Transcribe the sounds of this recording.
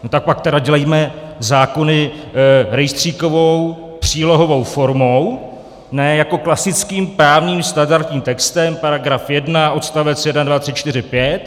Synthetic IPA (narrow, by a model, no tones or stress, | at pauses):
not̪ak̚pak̚t̪ɛdaɟɛlɛjmɛzaːko̞nɪ | ɾɛjst̪r̝̥iːko̞vo̞w | pr̝̥iːlo̞ɦo̞vo̞wfo̞ɾmo̞w | nɛːjako̞klasɪt͡skiːmpɾaːvɲiːmst̪andaɾt̪ɲiːmt̪ɛkst̪ɛmpaɾaɡɾafjɛdnaʔo̞t̪st̪avɛt͡sjɛdnadvat̪r̥ɪt͡ʃt̪ɪɾɪpjɛt̪̚